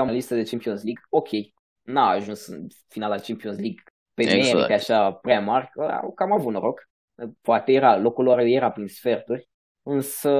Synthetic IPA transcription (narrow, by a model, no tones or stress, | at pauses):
amalist̪əd̪et͡ʃempionsliɡo̞kʲʰe̞j | naːʒunsɨ̰n | finalat͡ʃempionsliɡ | pemeɾieaʃapɾʲamarʲkəa̰kamavut̪noɾo̞k | poat̪eje̞ɾalo̞kuloɾje̞ɾapɾinsfe̞rt̪urʲ | ɨnsə